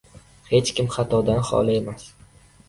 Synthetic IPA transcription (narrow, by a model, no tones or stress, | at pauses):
he̞t͡ʃkʲɪmχat̪ʰɒd̪anχɒ̰laemas